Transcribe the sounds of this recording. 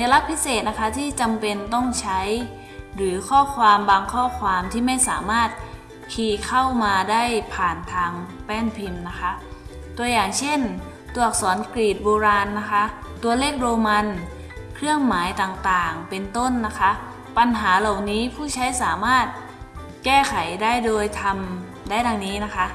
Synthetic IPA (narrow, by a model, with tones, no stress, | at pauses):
a˧la˦˥k̚pʰi˦˥seː˨˩t̪̚na˦˥kʰa˦˥t̪ʰiː˥˩t͡ɕa˧mpe˧nt̪ɔ˥˩ŋt͡ɕʰa˦˥j | ɾɯː˩˦kʰɔː˥˩kʰwaː˧mbaː˧ŋkʰɔː˥˩kʰwaː˧mt̪ʰiː˥˩ma˥˩jsaː˨˩˦maː˥˩t̪̚ | kʰiː˧kʰa˥˩wmaː˧daː˥˩jpʰaː˨˩nt̪ʰaː˧ŋpɛː˥˩npʰi˧mna˦˥kʰa˦˥ʔ | t̪u˧ɐjaː˨˩ŋt͡ɕʰe˥˩n | t̪u˧˩ək̚sɔː˩˦nkɾiː˨˩t̪̚boː˧ɾaː˧nːa˦˥kʰa˦˥ʔt̪u˧ɐleː˥˩k̚ɾoː˧ma˧n | kʰɾɯ˥˩əŋmaː˩˦jt̪aː˨˩ŋt̪aː˨˩ŋpe˧nt̪o˥˩nːa˦˥kʰa˦˥ʔ | pa˧nɦaː˩˦la˨˩wniː˦˥pʰuː˥˩t͡ɕʰa˦˥jsaː˩˦maː˥˩t̪̚ | kɛː˥˩kʰa˩˦jdaː˥˩jdoː˧jt̪ʰa˧m | daː˥˩jda˧ŋniː˦˥na˦˥kʰa˦˥ʔ